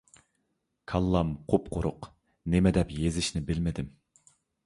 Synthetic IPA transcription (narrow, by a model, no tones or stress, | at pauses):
kʰɑlˠːɑmqʰopqʰʊɾʊq | nɪmɛd̪ɛpjezɪʃnɪbɪlmɪd̪ɪm